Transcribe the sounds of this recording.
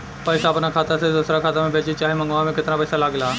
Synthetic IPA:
pəjsaːpnakʰat̪ased̪usɾakʰat̪amebɛt͡ɕit͡ɕaɦiməɡʋamekɪt̪ɾãpəjsalaɡla

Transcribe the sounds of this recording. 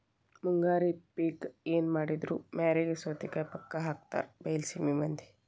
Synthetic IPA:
muŋɡaːɾipiːkeːnmaːɽid̪ɾuːmaːɾeɡesoːt̪ikajpɐkːaɦaːk̚t̪a̰ːɾbejlsimimɐnd̪ʱi̥

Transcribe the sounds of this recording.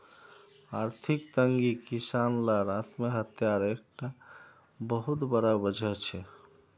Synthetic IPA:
aɾt̪ʰikt̪əŋɡikisanlaɾat̪ʰmeɦət̪jaɾek̚ʈa | bəɦut̪bəɾabəd͡ʒʱət͡ʃʰɛ

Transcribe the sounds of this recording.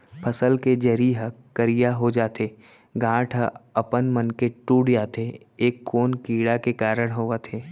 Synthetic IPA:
pʰəsəlked͡ʒɐɾiɦəkəɾijaɦod͡ʒaːt̪ʰeː | ɡʱãːʈʰəɐpənmənkeʈuːɽd͡ʒaːt̪eː | kʰːoːnkiːɽakekaːɾəɽ̃ɦoːat̪ʰeː

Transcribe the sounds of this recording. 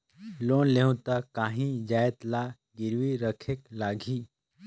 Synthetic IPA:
loːnleɦõt̪akãːɦĩd͡ʒaːjet̪la | ɡɪɾwiɾəkʰeklaːɡʱiː

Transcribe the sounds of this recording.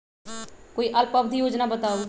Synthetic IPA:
koːiʔəlpəbd̪ʱijoːd͡ʒnabət̪aːu

